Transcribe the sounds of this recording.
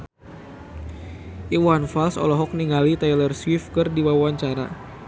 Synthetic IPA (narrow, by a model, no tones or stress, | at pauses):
ʔiwanfalsɔ̰lɔɦɔk̚niŋalit̪ajlərswifkɨrdiwawuaɲt͡ʃaɾa̰